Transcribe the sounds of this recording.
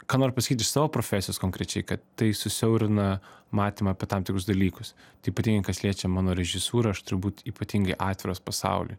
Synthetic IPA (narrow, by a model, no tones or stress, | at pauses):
kɑːnoːɾʲpɐsɐkʲiːt̪ʲɪʃsɑːʋoːpɾoːfʲæːsʲɪjoːskoːŋkɾʲɛt͡ʃʲɛɪkɐt̪ːɐɪsʊsʲɛʊɾʲɪnɐmɑːt̪ʲiːmɐːpʲɛt̪ɐmt̪ʲɪkɾʊsd̪ɐlʲiːkʊs | t̪ɐɪiːpɐt̪ʲiŋɡɐɪkɐsʲlʲiɛt͡ʃʲɛmɑːnoːɾʲɛʒʲɪsuːɾɐɐʃt̪ʊɾʊbuːt̪iːpɐt̪ʲiŋɡɐɪʔɑːt̪ʲʋʲɪɾoːspɐsɑ̰ʊlʲʊ̰